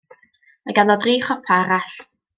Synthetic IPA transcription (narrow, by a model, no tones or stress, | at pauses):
majɡanɔdriːχɔpʰaɾaɬ